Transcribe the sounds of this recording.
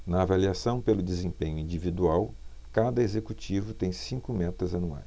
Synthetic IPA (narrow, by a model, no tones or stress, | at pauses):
nɐːvaliasɐ̃w̃pelʊd̪ezẽpẽɲʊĩd͡ʒivid̪uaw | kad̪ɐezekut͡ʃivʊt̪ẽj̃sĩŋkʊmɛt̪ɐzɐnua̰js